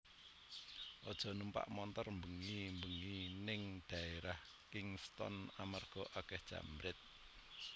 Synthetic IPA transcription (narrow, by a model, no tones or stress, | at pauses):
ʔɔd̥ʒ̥ɔ̤numpa̰ʔmɔnt̪ɔrmbəŋimbəŋinɪŋd̪̥ä̤eɾah | kɪŋst̪ɔ̰namarɡ̥ɔʔakɛhd̥ʒ̥a̰mɾɪt̪̚